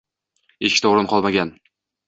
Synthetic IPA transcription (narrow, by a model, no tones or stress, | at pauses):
eʃkʲɪt̪ʰoʁɾɪnqʰɒlˠmaɡʲan